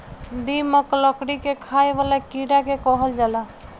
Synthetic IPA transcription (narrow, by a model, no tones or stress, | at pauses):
d̪iməkləkɽikekʰaeʋalakiɽakekɔɦəld͡ʒala